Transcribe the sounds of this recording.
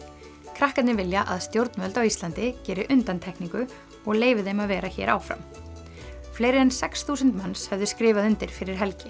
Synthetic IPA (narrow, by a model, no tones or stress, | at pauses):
kʰɾahkat̪nɪvɪljaʔaðst̪jowɾt̪nmœlt̪awist̪lant̪ɪcɛːɾɪʔʏnt̪ant̪ʰɛhkniŋkʏ | ɔɣleːjvɪðejmaðvɛːɾaçɛ̰ːɾa̰ːwfɾa̰m | fleːjɾɪɛnsɛksθuːsʏnt̪manshɛvðʏskɾɪːvaðʏnt̪ɪɾ̥fɪɾɪɾ̥ɦɛlcɪ